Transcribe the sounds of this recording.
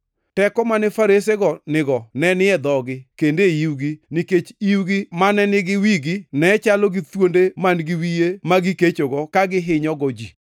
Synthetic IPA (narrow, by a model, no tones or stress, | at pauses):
tɛkɔmanɪfaɾes̬eɡɔnɪɡɔnɛnɪɛd̪ɔɡɪkendeiwɡiniket͡ʃiwɡɪmanɛnɪɡɪwiɡinɛt͡ʃalɔɡɪt̪wondemanɡɪwijemaɡɪket͡ʃoɡɔkaɡɪɦɪɲɔɡɔd͡ʒi